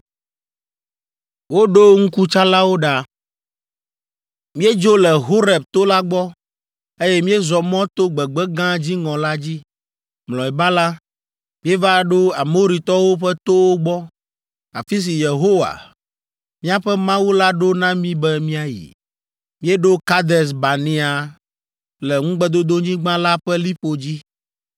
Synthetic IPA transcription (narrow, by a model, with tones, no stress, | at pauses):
wo˦ɖo˦ŋ̩˦ku˦t͡ʃa˦la˦wo˦ɖa˨ | mĩ˦e˦d͡ʒo˦lɛ˨ɦo˦ɾɛ˨b̚t̪o˦la˦ɡ͡bɔ˦ | e˦jɛ˦mĩ˦e˦zɔ˨mɔ̃˦t̪o˦ɡ͡bɛ˨ɡ͡bɛ˦ɡã˦d͡ʑi˦ŋɔ̃˨la˦d͡ʑi˦ | mlɔ̃˨ɛ˨ba˦la˦ | mĩ˦e˦va˦ɖo˦a˨mo˦ɾi˨t̪ɔ˦wo˦ɸɛ˦t̪o˦wo˦ɡ͡bɔ˦ | a˨fi˦s̬i˨je˨ɦo˦wa̰˨ | mĩ˦a˨ɸɛ˦mã˦wu˦la˦ɖo˦nã˦mĩ˦bɛ˦mĩ˦a˨jḭ˨ | mĩ˦e˦ɖo˦ka˦d̪ɛ˨s̬ba˨nĩ˦a˨ | lɛ˨ŋũ˦ɡ͡bɛ˦d̪o˦d̪o˦ɲĩ˦ɡ͡bã˦la˦ɸɛ˦li˦ɸo˨d͡ʑi˦